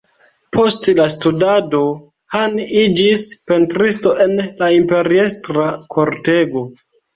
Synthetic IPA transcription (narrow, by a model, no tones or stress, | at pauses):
pʰo̞stlastudado̞ | hanid͡ʒispe̞ntɾisto̞ʔe̞nlaimpe̞ɾiestɾakʰo̞ɾte̞ɡo̞